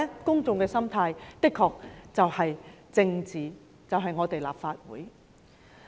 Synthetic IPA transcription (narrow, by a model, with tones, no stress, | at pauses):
kʊ˥ŋt͡sʊ˨ŋkɛː˧sɐ˥mt̪ʰaː˧jt̪ɪ˥kʰːɔː˧k̚t͡sɐ˨whɐ˨jt͡sɪ˧ŋt͡siː˨ | t͡sɐ˨wɦɐ˨jŋɔː˨˧t̪e˨jla̰ː˨p̚faː˧t̚wṵː˨˥j